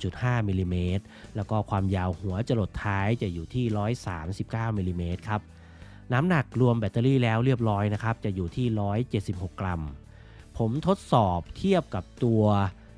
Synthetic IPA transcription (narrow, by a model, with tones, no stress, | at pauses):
t͡ɕu˨˩t̪̚haː˥˩miː˧liː˧meː˦˥t̪̚lɛː˦˥wkɔː˥˩kʰwaː˧mjaː˧whu˩˦ɐt͡ɕa˨˩lo˨˩t̪ʰːaː˦˥jt͡ɕa˨˩ʔjuː˨˩t̪ʰiː˥˩ɾɔː˦˥jsaː˩˦msi˨˩p̚kaː˥˩wmiː˧liː˧meː˦˥t̪̚kʰa˦˥p̚ | naː˦˥mna˨˩k̚ɾu˧əmbɛː˨˩t̪ːa˧liː˥˩lɛː˦˥wɾi˥˩əp̚ɾɔː˦˥jna˦˥kʰa˦˥p̚t͡ɕa˨˩juː˨˩t̪ʰiː˥˩ɾɔː˦˥jt͡ɕe˨˩t̪̚si˨˩p̚ho˨˩kːɾa˧m | pʰo˩˦mt̪ʰo˦˥t̪̚sɔː˨˩p̚t̪ʰi˥˩əp̚ka˨˩p̚t̪u˧ɐ